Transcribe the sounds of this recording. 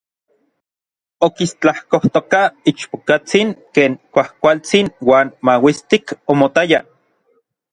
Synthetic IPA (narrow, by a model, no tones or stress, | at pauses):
okist͡ɬahkoht̪okait͡ʃpokat͡siŋkeːŋkʷahkʷalt͡sinwaːnmawist̪ikomot̪aja